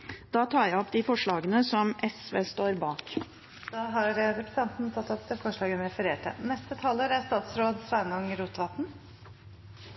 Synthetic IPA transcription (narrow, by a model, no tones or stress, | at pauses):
d̪̥ɑːt̪ʰɑːɾjæɔpd̪ɪfɔʂɭɑːɡənəsɔmʔɛsʋeːst̪oːɾbɑːk | d̪ɑɦɑɾəɾɛpɾəsɑnt̪nt̪ʰɑt̪ːɔpəfɔʂɭɑːɡənɾɛfəɾeːʈʰə̰nɛst̪ət̪ʰɑːləɾæɾst̪ɑːt̪sɾoːd̪sʋænɑŋɾuːt̪ʋɑt̪n̩